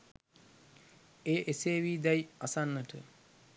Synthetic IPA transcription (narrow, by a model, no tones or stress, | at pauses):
eːʔeseːʋiːd̪ɛjasanːəʈə